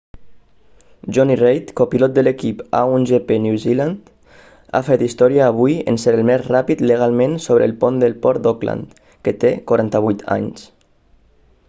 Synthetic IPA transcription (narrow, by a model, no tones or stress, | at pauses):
ʒɔnirejt̪kopilɔt̪̚d̪əlekipa̰unʒepeniwzilant̪ | a̰fɛt̪ist̪ɔɾiaːβ̞ujə̰nseɾəlmɛzrapit̪ləɣ̞alˠmẽnsoβɾə̰ːlˠpond̪əlˠpɔɾd̪ɔkla̰nt̪ | kət̪ekaɾant̪əβ̞ujt̪ʰa̰ɲs